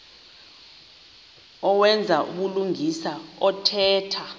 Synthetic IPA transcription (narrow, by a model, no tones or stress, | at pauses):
ɔwɛnd͡zʱaʔṵɓuluŋisaɔtʰɛːtʰa